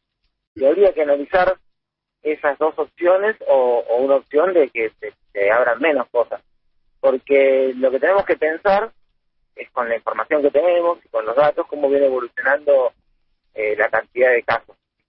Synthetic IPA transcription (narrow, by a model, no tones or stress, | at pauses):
siaβɾiakeanalisaɾ | esazðo̞so̞psjo̞ne̞soːunaopsjo̞nd̪ekeseseaβɾammːe̞no̞sko̞sas | poɾkelo̞ket̪ene̞moske̞pe̞nsaɾ | esko̞nlaĩɱfo̞ɾmasjo̞ŋke̞t̪e̞ne̞mosi̥ko̞nlozðat̪o̞sko̞mo̞β̞je̞neeβo̞lusjo̞nãnd̪o̞ | elakant̪iðaðe̞kaso̞s